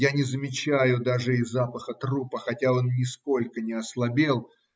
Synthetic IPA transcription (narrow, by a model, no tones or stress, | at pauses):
janʲɪzəmʲɪt͡ɕæjʊd̪aʐɨɪzːapəxət̪rupəxɐtʲao̞nnʲɪsko̞lʲkənʲɪɐslˠɐbʲelˠ